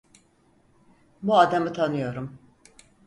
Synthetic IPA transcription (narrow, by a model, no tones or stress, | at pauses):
buad̪amɯt̪ʰanɯjo̞ɾum